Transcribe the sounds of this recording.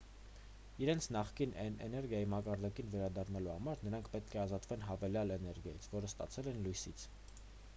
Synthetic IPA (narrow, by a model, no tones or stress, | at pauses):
iɾɛnt͡sʰnɑχkinɛnɛ̰nɛɾɡjɑjimɑkɑɾd̪ɑkinvɛɾɑd̪ɑrnɑluhɑmɑɾnəɾɑŋkʰpɛt̪̚kʰɛɑzɑt̪vɛn̪ɦɑvɛljɑlɛnɛɾɡjɑ̰jit͡sʰvɔɾəst̪ɑ̰t͡sʰɛlɛnlujsit͡sʰ